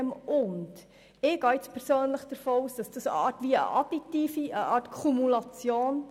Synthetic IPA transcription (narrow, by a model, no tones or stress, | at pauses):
mʔʊnd | ɪːɡ̥ɑːɪt͡spʰɛɾsøːnləχd̥əɾfoːuːsd̥ɑsd̥ɑsɑːɾtʋiə̰ʔɑ̰d̥itːiːfiʔəʔɑːɾtkʰumulɑt͡sjoːn